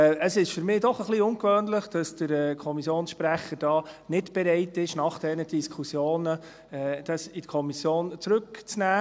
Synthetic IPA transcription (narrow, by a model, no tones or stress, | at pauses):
əsɪʃfʏɾmɪːdɔχəχliʊŋkʋøːnləχd̥ɑsd̥əɾɛːkʰɔmisjoːnsʃpɾæχːəɾd̥ɑːnɪdb̥ɛɾɛɪtɪʃnɑχd̥ɛnəd̥iskʰusjoːnə | ɛːd̥ɑsitkʰɔmisjoːnt͡sɾɵkt͡snæː